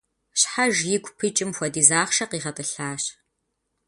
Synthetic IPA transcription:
ɕħaʒjɪɡʷʼpʰɨt͡ʃʼɪmxʷɐdiːzaːχʃɐqiːʁɐtʼɨɬaːɕ

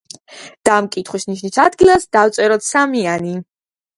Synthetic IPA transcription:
d̪̥amkʼit̪ʰχwisniʃnisad̪ɡilˠasd̪aft̪sʼɛɾɔt̪samiani

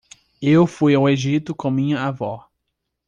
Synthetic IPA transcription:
ewfujaweʒit̪ʊkõmĩɲɐavɔ

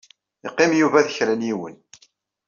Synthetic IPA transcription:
iqːɪmjuvæðəçɾænjiwə̰n

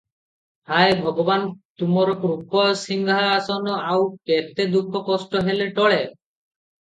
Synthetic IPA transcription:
hajbʱɔɡɔbant̪umɔɾɔkɾukʰɔsiŋɡʱaːsɔnɔawpet̪ed̪ukʰɔkɔsʈɔɦeleʈɔɭe

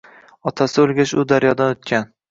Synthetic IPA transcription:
ɒt̪ʰasɪɵlˠɡʲaʃʊd̪aɾjɒd̪anʊt̪̚kʲan

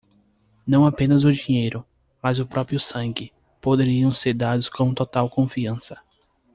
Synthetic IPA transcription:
nɐ̃w̃apẽnɐzʊd͡ʒiɲejɾʊ | mazʊpɾɔpɾiʊsɐ̃ŋɡɪ | pod̪eɾiɐ̃w̃seɾd̪ad̪ʊskõt̪ot̪awkõfiɐ̃sɐ̥

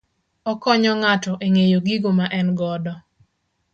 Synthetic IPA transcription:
ɔkɔɲɔŋatɔʔeŋejoɡiɡomaʔɛnɡɔdɔ

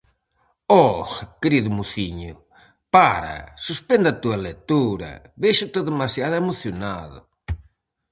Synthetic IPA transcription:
ɔkeɾiðʊmuθiɲʊ̰ | paɾɐ̰suspend̪at̪uɐlet̪uɾɐ̰βeʃʊt̪eðemasjaðemoθjonaðʊ̰

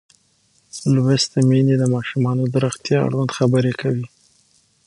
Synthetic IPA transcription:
lwest̪əmined̪əmɑʃumɑnod̪əɾəxt̪jɑa̰ɽwand̪xabəɾekʰawi

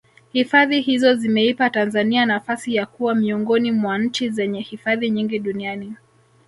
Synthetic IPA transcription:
hifaðihizɔzimɛipatanzanianafasijakuwamiɔŋɡɔnimwan̩t͡ʃizɛɲɛhifaðiɲiŋɡiɗuniani

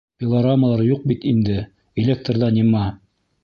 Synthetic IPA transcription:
fʲɪlˠɐɾaməlˠɑɾjuq̚bit̪ind̪ɘ | ɪlʲek̚t̪rðɑnimæ

